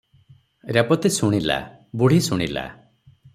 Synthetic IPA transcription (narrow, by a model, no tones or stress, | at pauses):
ɾepɔt̪isuɽ̃ila̰ | buɽ̤isuɽ̃ḭla̰